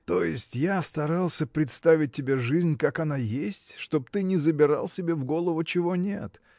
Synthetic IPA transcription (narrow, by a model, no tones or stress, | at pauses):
t̪o̞jɪsʲtʲjast̪ɐɾalˠsʲəpɾʲɪt̪st̪avʲɪt̚ʲːɪbʲeʐɨzʲnʲkakɐnajesʲtʲʂt̪o̞b̚t̪ɨnʲɪzəbʲɪɾa̰lˠsʲɪbʲe̞vɡo̞lˠəvʊt͡ɕɪvo̞nʲet̪